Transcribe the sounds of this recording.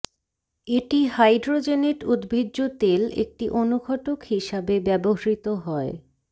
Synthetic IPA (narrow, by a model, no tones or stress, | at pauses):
eʈiɦajɖɾod͡ʑeneʈud̪bʱidːot̪elḛk̚ʈiʔonuɡʰʱɔʈokhiʃabebɛboɦaɾit̪oɦɔe